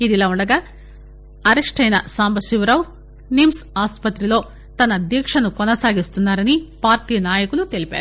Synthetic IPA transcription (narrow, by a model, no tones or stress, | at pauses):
id̪ilːɐuɳɖɐɡɐ | ɐɾeʂʈʰɐjnɐsaːmbɐsiʋɾɐʋ | nimsaːspɐt̪ɾilo̞ː | t̪ɐnːɐd̪jɐkʂɐnukɔnɐsaːɡist̪unːaːɾɐnipaːɾʈiːnaːjɐkɐlut̪elipḛːɾu